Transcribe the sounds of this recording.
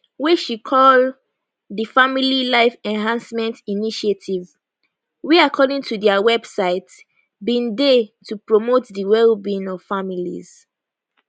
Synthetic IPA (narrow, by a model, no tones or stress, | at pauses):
wɛʃikʰɔl | dəfamililaɪfɛ̃nɦãnsmɛ̃ntiniʃetʰiv | wiakʰɔdĩŋtʰudɛawɛbsaɪt | bĩndetupɹɔmotdəwɛlbĩnɔv̥familḭz̥